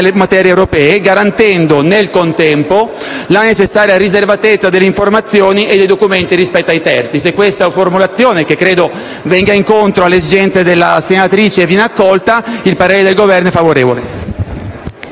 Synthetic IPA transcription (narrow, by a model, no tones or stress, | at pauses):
lemat̪ɛːɾjewɾopɛːeɡaɾant̪ɛnd̪onelkont̪ɛmpo | lanet͡ʃesːaːɾjaɾizervat̪et̪sːad̪elːeiɱformat̪sːjoːniʔed̪ejd̪okument̪iɾispɛt̪ːajt̪ɛrt̪sisekːwest̪aformulat̪sːjoːnekekːɾeːd̪o | vɛŋɡaiŋkont̪ɾoalːezid͡ʒɛnt̪sed̪elːasːenat̪ɾiːt͡ʃeːvjɛnakːɔlt̪ailpaɾeːɾed̪elɡovɛrnoɛfavoɾeːvole